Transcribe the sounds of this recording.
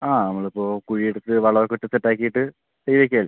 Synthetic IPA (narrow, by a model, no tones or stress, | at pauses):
aːnɐmːɐɭipːo̞ːkuɻijeɽut̪ːɨʋɐɭɐɾokɨʈːɨt͡ɕeʈːaːkːijiʈːɨ | sejʋek̬ʲːiaːl